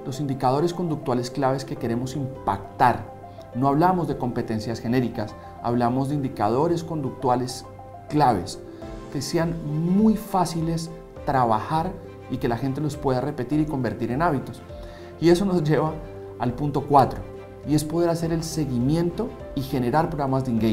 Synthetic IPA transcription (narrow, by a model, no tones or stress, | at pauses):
lo̞sind̪ikað̞o̞ɾe̞sko̞nd̪uk̚t̪wale̞sklaβe̞ske̞ke̞ɾe̞mo̞simpa̰kt̪aɾ | no̞aβlamo̞zd̪e̞ko̞mpe̞t̪e̞nsjasxe̞ne̞ɾikas | a̰βlamo̞zðeind̪ikað̞o̞ɾe̞sko̞nd̪uk̚t̪wale̞s | klaβ̞e̞̰s | ke̞se̞anmujfasile̞s | t̪ɾaβaxaɾ | ike̞laxe̞nt̪elo̞spwe̞ð̞are̞pe̞t̪iɾiko̞mbe̞ɾt̪iɾe̞naβit̪o̞s | ie̞so̞no̞zd͡ʒe̞βaː | lpunt̪o̞kwat̪ɾo | ie̞spo̞ðe̞ɾase̞ɾe̞lse̞ɣimje̞nt̪o̞ | ixe̞ne̞ɾaɾpɾoɣɾamazd̪iŋɡe